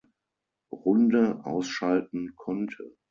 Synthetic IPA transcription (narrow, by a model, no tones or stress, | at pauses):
ʁʊndəʔa̰ʊsʃaltn̩kʰɔntʰə̰